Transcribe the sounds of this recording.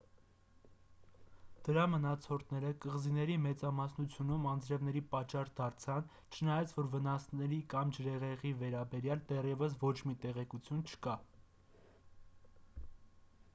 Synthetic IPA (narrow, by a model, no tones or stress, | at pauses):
d̪̥əɾɑmənɑt͡sʰɔɾʰnɛɾəkəʁzinɛɾimɛt͡sɑmɑsnut͡sʰjunumɑnd͡zɾɛvn̪ɛɾipɑt͡ʃːɑɾd̪ɑɾt͡sʰɑn | t͡ʃʰənɑjɑt͡sʰvɔɾvənɑsnɛɾikɑmd͡ʒəɾɛʁɛʁivɛɾɑbɛɾjɑld̪ɛrjɛvəs̬vɔt͡ʃʰmit̪ɛʁɛkut͡sʰjunt͡ʃʰə̥kɑ